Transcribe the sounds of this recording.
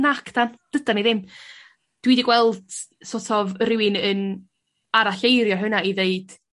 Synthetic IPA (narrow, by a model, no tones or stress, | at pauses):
nakʰd̥and̥əd̥aniðɪm | d̥wiːdiɡwɛlˠd̥ | sotʰɔvrɪwɨnən | aɾaɬejɾjɔɦənaiðeɨd̥